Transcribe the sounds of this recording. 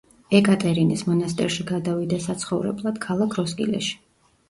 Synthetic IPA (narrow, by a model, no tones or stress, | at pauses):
ɛkʼat̪ʼɛɾinismɔnast̪ʼɛ̰ɾʃiɡad̪avid̪asat̪sʰχɔvɾɛ̰blˠad̪̥kʰalˠakʰɾɔskʼḭlɛ̰ʃi̥